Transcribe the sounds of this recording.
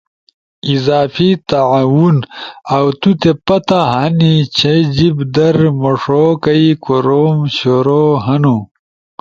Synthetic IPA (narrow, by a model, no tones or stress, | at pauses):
izaːfit̪aʕawunawt̪ut̪epɐt̪aɦanit͡ɕʰed͡ʑibd̪ɐɾmoʂokɐikoɾoːmɕoɾoɦɐnu